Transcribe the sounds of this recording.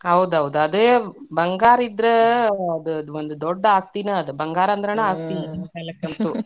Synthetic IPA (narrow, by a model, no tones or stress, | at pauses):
ɦɐwd̪uɦɐʋd̪uɐd̪ebɐŋɡaːɾid̪ɾeɐd̪uʋond̪ud̪oɖːɐaːst̪inɐːd̪ubɐŋɡaːɾɐnd̪ɾɐneaːst̪inɐɐɐkɐlɐkːɐnt̪u